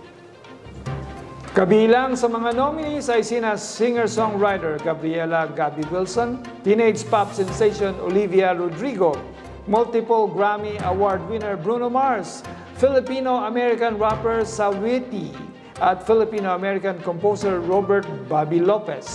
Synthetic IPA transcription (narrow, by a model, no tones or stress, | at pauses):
kɐbilaŋsɐmɐŋanomɪnisajsinassɪŋəɹsɔŋɹajt̪ɛɹɡabɾiɛlaɡabiwɪlsɔn | t̪inejd͡ʒpap̚sɛnsejʃono̰livjaɹɔd̪ɾiɡo | mʊlt̪ɪpolɡɹamiʔɐwaɹd̪̚wɪnɛɹbɹunomaɹs | fɪlɪpinoɐmɛɹɪkanɹapɛɹsawit̪i | ʔat̪fɪlɪpinoɐmɛɹɪkankɔmposɛɹːobɛɹt̪̚babilopɛs